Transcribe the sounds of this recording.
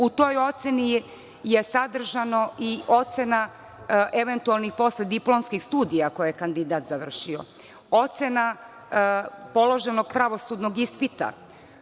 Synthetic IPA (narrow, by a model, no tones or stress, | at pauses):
ut̪o̞jo̞t̪seni | je̞sad̪r̩ʒano̞ʔiʔo̞t̪se̞na | ʔeʋe̞nt̪ualˠnixpo̞sled̪iplo̞mskixst̪uːd̪ijako̞jejekand̪id̪aːt̪zaʋr̩ʃio̞̰ | ot̪se̞na | po̞lˠo̞ʒe̞no̞ɡ̥̚pɾaʋo̞sud̪no̞ɡispit̪a̰